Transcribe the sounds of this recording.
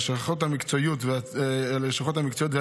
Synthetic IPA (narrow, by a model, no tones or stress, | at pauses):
ʃaχothamikt͡soijutvealeʃχothamikt͡sojut̪ve